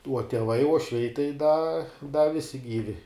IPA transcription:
uɔ tʲiɛˈʋɐɪ uɔʃʲˈʋʲɛɪ tɐɪ dɐ dɐ ˈʋʲɪsʲɪ ˈɡʲiːʋʲɪ

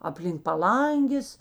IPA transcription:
ɐpʲlʲɪŋk pɐˈlˠɐŋʲɡʲeːs

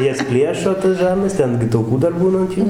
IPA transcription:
ˈjɛs ˈpʲlʲiɛʃoː tɐs ˈʒɐrnɐs ˈtʲɛn ɡʲɪ tɐʊˈkuː dɐr ˈbuːnɐ ɐnt ˈjuː

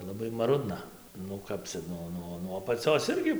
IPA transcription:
lˠɐˈbɐɪ mɐˈrʊdnɐ nʊ ˈkɐp t͡sʲɛ ˈnuɔ ˈnuɔ nuɔ ɐpɐˈt͡sʲoːs ˈɪrʲɡʲɪ

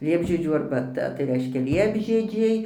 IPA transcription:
ˈlʲiɛbʲʒʲiɛd͡ʒʲuː ɐrbɐˈtɐ tɐɪ ˈrʲɛɪʃʲkʲɛ ˈlʲiɛbʲʒʲiɛd͡ʒʲɛɪ

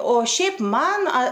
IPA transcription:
oː ˈʃʲɛɪp ˈmɐn ɐ

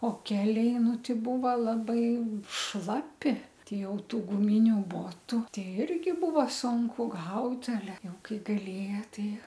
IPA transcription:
oː ˈkʲæːlʲɛɪ ˈnʊ ˈtʲɛɪ ˈbuːʋɐ ˈlˠɑːbɐɪ ˈʃlˠɑːpʲɪ ˈtʲɛɪ ˈjɛʊ ˈtuː ɡʊˈmʲɪnʲʊ ˈboːtʊ ˈtʲɛɪ ˈɪrʲɡʲɪ ˈbuːʋɐ ˈsʊŋkʊ ˈɡɐʊt ɐˈlʲɛ ˈjɛʊ ˈkɐɪ ɡɐlʲeːjɛ ˈtʲɛɪ

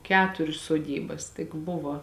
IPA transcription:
ˈkʲæːtʊrʲʊs soːˈdʲiːbɐs tʲɪk ˈbʊʋoː

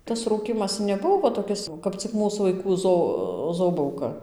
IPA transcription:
tɐs ˈruːkʲiːmɐs nʲɛˈbʊʋoː ʋɐ toːˈkʲɪs kɐp t͡sʲɪk ˈmuːs ʋɐɪˈkuː ˈzoː ˈzoːbɐʊkɐ

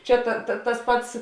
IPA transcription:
ˈt͡ʃʲɛ tɐ tɐ tɐs ˈpɐts

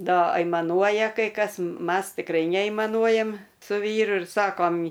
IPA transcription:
ˈdɐ ɐɪmɐˈnuɔjɛ kɐɪ ˈkɐs ˈmɐs tʲɪkˈrɐɪ nʲɛɐɪmɐˈnuɔjɛmʲ sʊ ˈʋʲiːrʊ ɪr ˈsɑːkoːm

